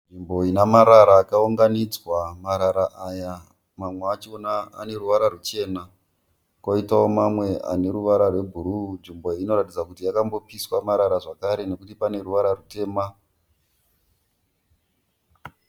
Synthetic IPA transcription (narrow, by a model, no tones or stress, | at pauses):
nʐimbo̞inamaɾaɾaːkauŋɡanid͡zwamaɾaɾaʔaja | mamweat͡ʃionaa̰ne̞ɾuʋaɾarut͡ʃe̞na | koitawomamwe̞a̰ne̞ɾuʋaɾarwe̞bʱuɾunʐimbo̞ino̞ɾatid͡zakutijakambo̞piswamaɾaɾaʐakaɾe̞ne̞kutipane̞ɾuʋaɾarute̞ːma